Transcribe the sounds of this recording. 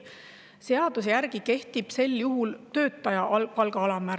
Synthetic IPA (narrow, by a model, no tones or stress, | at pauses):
se̞ɑd̪̥usejæɾɡ̥ike̞ht̪ib̥se̞ljuɦult̪ø̞ːt̪ːˑɑjɑʔpɑlɡ̥ɑɑlɑmæɾ